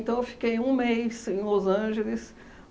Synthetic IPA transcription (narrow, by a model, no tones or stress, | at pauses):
t̪ɐ̃w̃ewfi̥kejũmejsẽj̃lozɐ̃ʒelɪs